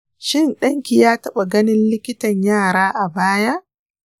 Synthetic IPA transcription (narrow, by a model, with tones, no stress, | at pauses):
ʃɪ˦˨nɗɐ˦ŋkʲi˨jaː˦tɐ˦ɓa˨ɡɐ˦nɪ˦nlɪ˦kʲɪ˦tɐ˨ɲjaː˦˨ɾaː˦ʔa˨baː˦ja˦ʔ